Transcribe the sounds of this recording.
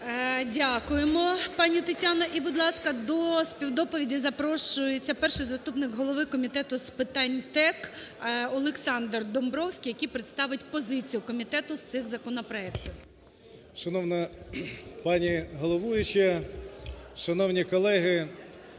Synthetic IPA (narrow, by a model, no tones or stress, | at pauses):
dʲakʊjemɔpɑnʲit̪ɐtʲanɐʔibʊd̪lˠɑskɐd̪ɔspʲiwd̪ɔpɔʋʲidʲizɐpɾɔʃʊjet͡sʲːɐpɛrʃɪjzɐst̪upnɪkɦɔlˠɔʋɪkɔmʲit̪ɛt̪ʊspɪt̪ɑnʲt̪ɛkɔlˠeksɑnd̪rd̪ɔmbɾɔwsʲkʲijɐkijpɾeɪt̪st̪ɑʋɪtʲpɔzɪt͡sʲijʊkɔmʲit̪ɛt̪ʊst̪sɪxzɐkɔnɔpɾɔɛktʲiw | ʃɐnɔwnɐ | pɑnʲiɦɔlˠɔʋujʊt͡ʃɛ | ʃɐnɔwnʲikɔlˠɛɦɪ